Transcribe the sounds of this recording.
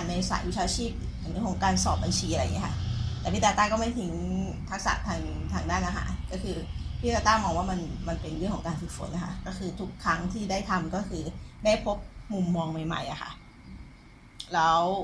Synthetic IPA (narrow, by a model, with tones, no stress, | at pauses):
a˨˩nmɛ˧sa̰ː˨˩wi˦˥t͡ɕʰaː˧t͡ɕʰiː˥˩p̚ | a˨˩nɾɯ˥˩ŋkʰɔ˩˦ŋkaː˧nsɔː˨˩p̚ba˧nt͡ɕʰiː˧ʔa˧ɾa˧jŋi˦˥kʰa˥˩ʔt̪ɛː˨˩pʰi˦˥˩a˧t̪aː˥˩kɔː˥˩ma˥˩jt̪ʰi˨˦ŋ | t̪ʰa˦˥k̚sa̰˨˩t̪ʰaː˧ŋt̪ʰaː˧ŋdaː˥˩nʔaː˧xha̰ː˩˦nkɔː˥˩kʰɯː˧pʰiː˥˩aː˧˩t̪aː˥˩mɔː˧ŋwaː˥˩ma˧nma˧npe˧nɾɯ˥˩ŋkʰɔ˩˦ŋkaː˧nfɯ˨˩k̚fo̰˨˩˦nʔa˧˩kʰa̰˥˩kɔː˥˩kʰɯː˧t̪ʰu˦˥kʰːɾa˦˥ŋt̪ʰiː˥˩daː˥˩jt̪ʰa˧mkɔː˥˩kʰɯː˧daː˥˩jpʰo˦˥p̚mu˧mːɔː˧ŋma˨˩jma̰˨˩jʔa˨˩xʰa̰˥˩ʔ | lɛː˦˥w